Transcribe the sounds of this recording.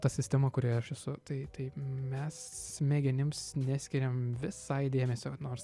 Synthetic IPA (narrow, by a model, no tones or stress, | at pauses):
t̪ɐsʲɪsʲt̪ʲɛmɐkʊɾʲiːɐʃɛsʊt̪ɐɪt̪ɐɪmʲɛsmʲeːɡʲɪnʲɪmsnʲæsʲkʲɪɾʲɛmʋʲɪsɐɪd̪ʲeːmʲɛsʲoːnoːɾs